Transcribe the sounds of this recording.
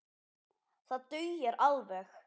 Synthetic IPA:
θaðt̪œɥjɛɾʔalvɛx

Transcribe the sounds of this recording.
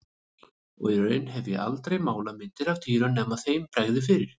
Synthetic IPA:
ɔʏɾɪnɦɛvjɛ̰a̰lt̪ɾejmaːwlamɪnt̪ɪɾav̥t̪ʰiːɾʏnɛːmaðθejmpɾɛɣðɪf̬ɪɾɪɾ̥

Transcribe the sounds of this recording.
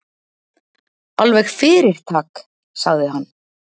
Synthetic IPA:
alvɛxfɪːɾɪɾ̥t̪ʰaːk | saɣðɪɦanː

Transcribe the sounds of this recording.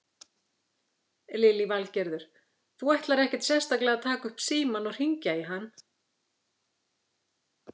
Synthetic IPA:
lɪlivalcɛɾðʏɾ̥ | θuɛjht̪laɾɛhcɛ̥t̪sɛst̪aklɛɣaðt̪ʰaːkʏhpsiːmanɔr̥iɲcaiɦanː

